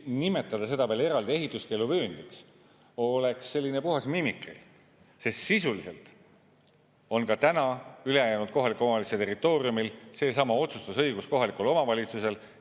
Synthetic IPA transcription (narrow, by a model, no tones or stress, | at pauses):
nime̞t̪ːˑɑd̪ɑse̞d̪̥ɑvele̞ɾɑld̪ie̞ɦit̪ːˑuske̞ːluvøːnd̪iks | o̞le̞ksːe̞lːinepuɦɑsmimikrḭ | se̞st̪sisulise̞lt̪ | o̞nkɑt̪ænɑyle̞jɑjæːnud̪̥̚ko̞ɦɑlikuomɑliset̪e̞rit̪ːˑo̞ːriumilse̞ːs̬ɑmɑo̞t̪sust̪ɑsɤjɡ̥usko̞ɦɑlikulo̞mɑvɑlʲit̪suse̞l